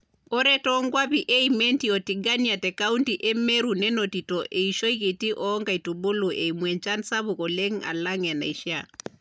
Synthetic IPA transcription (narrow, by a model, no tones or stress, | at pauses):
ɔɾɛtɔŋɡwapiʔeimentiɔtiɡanjatɛkauntiʔɛmeɾunɛnotitoʔeiʃoikitiʔɔɔŋɡaitubuluʔemwɛnt͡ʃansabukɔleŋa̰laŋɛna̰iʃja